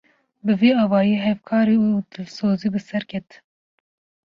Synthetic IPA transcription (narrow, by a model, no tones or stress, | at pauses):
bɨveːɑːwɑːjiːɦɛvkʰɑːɾiːuut̪ʰɨlsoːziːbɨsɛɾkʲʰɛt̪